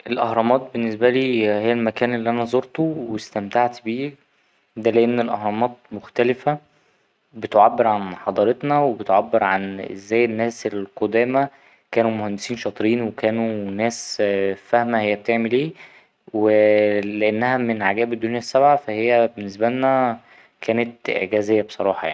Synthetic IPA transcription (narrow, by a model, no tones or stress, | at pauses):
ʔelʔɑhɾˤɑmɑːt̪̚benːesbæliːhejːælmækæːnelːiʔænæzˤoɾt̪owest̪æmt̪aʕt̪biː | d̪æleʔenːelʔɑhɾˤɑmɑːt̪̚moxt̪ælefæ | bet̪ʕabːeɾʕanħɑd̪ˤɑɾet̪nɑwebet̪ʕabːeɾʕanʔḛzːæːjːenːæːselqod̪æːmæ | kæːnumohænd̪esiːnʃɑt̪ˤɾiːnwekæːnunæːsfæhmæhejːæb̚t̪eʕmeliː | weleʔænːæhæmenʕaɡæːbed̪ːonjæsːæbʕafæhejːæbenːes̬bælnæ | kʰæːnet̪ʔḛʕɡæzejːæbesˤɑɾˤɑːħɑja̰ʕni